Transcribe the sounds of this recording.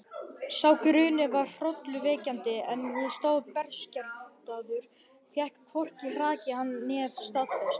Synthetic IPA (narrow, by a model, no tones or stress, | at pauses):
sawkʏɾʏːnɪvarr̥ɔt̪lʏveːcant̪ɪɛnhɛðst̪oːwpɛɾ̥scaɾt̪aðʏɾ̥ | θjɛhkkʰvɔr̥cir̥aːcɪhanːɛðst̪aðfɛst̪